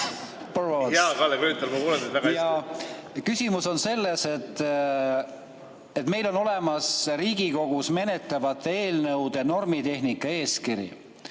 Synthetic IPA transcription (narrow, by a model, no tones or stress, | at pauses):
porojɑːkɑlːeɡyːˑt̪ːˑelmɑkuːlet̪et̪væɡɑɑjɑ | kysʲimuso̞nse̞lːe̞se̞t̪ːˑ | et̪me̞jlo̞no̞le̞mɑsɾiːɡ̥iko̞ɡ̥usme̞ne̞t̪ːˑɑvɑt̪ˑːeeːlnɤwd̪eno̞rmit̪e̞ɦnikːˑɑe̞ːskiɾjḭ